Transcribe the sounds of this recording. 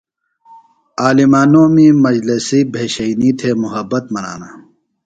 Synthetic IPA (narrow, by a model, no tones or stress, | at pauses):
aːlimaːnõːmĩːmɐd͡ʑlesiːbʱeːɕɐinit̪ʰeːmʊɦɐbːɐt̪mɐna̰ːnaː